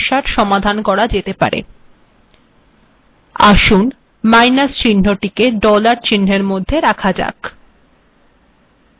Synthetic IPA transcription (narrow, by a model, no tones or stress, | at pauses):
ʃaɾʃɔmad̪ʱankɔɾad͡ʑet̪epa̰ɾḛ | a̰ʃun | majnast͡ɕin̤ːoʈikeɖɔlaɾt͡ɕin̤ːeɾmod̪ʱːeɾakʰad͡ʑa̰k